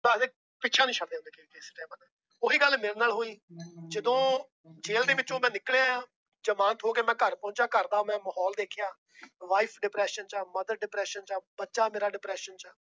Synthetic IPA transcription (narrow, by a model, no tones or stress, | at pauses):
baːd̪eː | pɪtːʃʰãːnĩːʃʰəɽd̪eːʊ̃ndeːkeiːeːsʈɛːmãːnaː | ʊɦiːɡəlmeːɾeːnaːlɦoːiːd͡ʒəd̪õː | d͡ʒeːld̪eːʋɪt͡ʃõːmɛ̃ːnɪklea | d͡ʒəmãːnt̪ɦoːkeːmɛ̃ːkəɾpɔ̃ːt͡ʃaːkəɾd̪aːmɛ̃ːməɦɔːld̪eːkʰɪjaː | ʋaːipʰɖɪpɾɛːʃənt͡ʃaːməd̪əɾɖɪpɾɛːʃənt͡ʃaːbətːʃaːmeːɾaːɖɪpɾɛːʃənt͡ʃaː